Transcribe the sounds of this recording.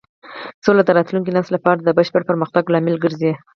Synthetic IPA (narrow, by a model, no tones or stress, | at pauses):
solad̪əɾɑt̪luŋk̬inɑst̪lapɑɾad̪əbəʃpəɽpəɾməxt̪aɡlɑmɪlɡəɾze